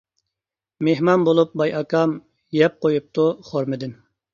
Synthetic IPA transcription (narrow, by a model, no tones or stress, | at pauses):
meɦmɑnbolˠup̚bɑjʔɑkʰɑm | jɛp̚qojup̚t̪ʰuχoɾmɨd̪ɪn